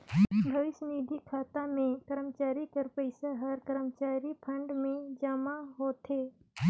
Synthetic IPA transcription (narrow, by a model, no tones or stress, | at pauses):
bʱəʋɪsniːd̪ʱikʰaːt̪amẽk̪əɾəmt͡ʃaːɾikəɾpəɪsaɦəɾkəɾəmt͡ʃaːɾipʰə̃ɳɖmẽd͡ʒəmaɦot̪e